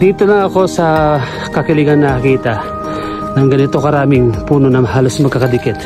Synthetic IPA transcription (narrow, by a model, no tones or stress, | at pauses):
d̪ip̚t̪onɐɐko̞sɐ | kɐkɪliɡɐnːɐkiːt̪ɐa | nɐŋɡɐnɪt̪o̞kɐɾaːmɪŋpuːno̞nɐŋɦaːlosmɐɡkakɐd̪ikɪt̪